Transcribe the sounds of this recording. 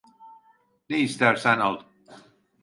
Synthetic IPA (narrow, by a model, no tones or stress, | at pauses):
neist̪æɾsænalˠ